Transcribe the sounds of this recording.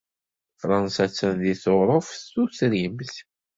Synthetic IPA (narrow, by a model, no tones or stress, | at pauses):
fɾˤɑnsæt͡sːənðiθoɾˤofːusɾimθ